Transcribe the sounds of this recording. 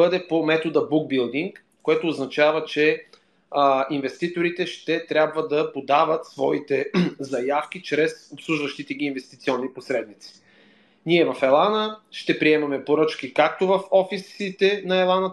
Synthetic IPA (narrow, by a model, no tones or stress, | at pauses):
ɤd̪ɛpomɛt̪od̪əbuɡ̚bilˠd̪iŋk | kːoɛt̪oːznɐt͡ʃavət͡ʃɛ | invɛst̪it̪oɾit̪ɛʃt̪ɛt̪ɾʲabvəd̪ɐpod̪avət̪svɔit̪ɛzɐjafkʲit͡ʃɾɛsopslˠuʒvɐʃt̪it̪ɛɡiːnvɛst̪it̪siɔnːiposɾɛd̪mit̪si̥ | niɛvɐfɛlˠanəʃt̪ɛpɾiɛmɐmɛpoɾɤt͡ʃkikak̚t̪ovɐfɔfisit̪ɛnɐɛlˠanə